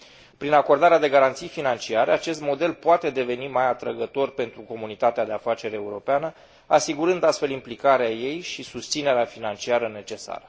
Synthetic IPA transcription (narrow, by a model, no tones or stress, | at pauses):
pɾinako̞rd̪aɾead̪e̞ɡaɾant̪sijfinant͡ʃiaɾeat͡ʃe̞st̪mo̞d̪e̞lpoat̪e̞d̪e̞ve̞nimajat̪ɾəɡət̪o̞rpe̞nt̪ɾuko̞munit̪at̪ead̪e̞afat͡ʃe̞ɾeuɾo̞peanə | asiɡuɾɨnd̪ast̪fe̞limplikaɾeaje̞jʃisust̪sine̞ɾeafinant͡ʃiaɾəne̞t͡ʃe̞sa̰ɾə